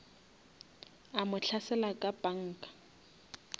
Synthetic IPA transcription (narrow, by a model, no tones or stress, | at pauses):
amʊɬʰasɛlakʼapʼaŋ̩ːkʼḁ